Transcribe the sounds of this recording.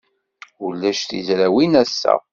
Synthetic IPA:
ulːæʃθḭzɾæwinæsːæ̰

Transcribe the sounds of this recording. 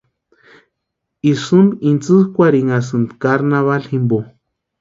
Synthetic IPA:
isɨnint͡sɨhkʷaɾiŋas̬ɨnd̪kaɾnaβalhimbo

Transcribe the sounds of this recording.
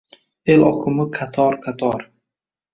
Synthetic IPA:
elʔɒkʰʊmɪqʰat̪ʰɒɾqʰat̪ʰɒɾ

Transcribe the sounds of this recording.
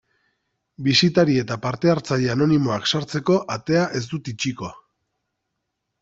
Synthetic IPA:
bisit̪aɾie̞t̪apaɾt̪e̞aɾt͡saʎeano̞nimo̞aksaɾt͡se̞ko̞ʔat̪e̞aʔe̞zd̪ut̪it͡ʃiko̞a

